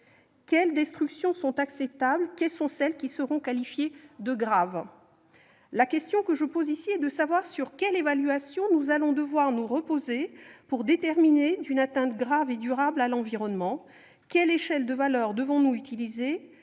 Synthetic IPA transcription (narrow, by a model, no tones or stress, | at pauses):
kʲɛld̪ɛst̪χyksjɔ̃sɔ̃t̪aksɛp̚t̪ablkʲɛlsɔ̃sɛlkʲisəʁɔ̃kalifjed̪əɡʁav | lakʲɛst̪jɔ̃kəʒəpozisiɛd̪əsavwaʁsyʁkʲɛlevalyasjɔ̃nuzalɔ̃d̪əvwaʁnuʁəpozepuʁd̪et̪ɛʁmined̪ynat̪ɛ̃t̪ɡʁaved̪yʁablalɑ̃viʁɔnmɑ̃ | kʲɛleʃɛld̪əvalœʁd̪əvɔ̃nuyt̪ilize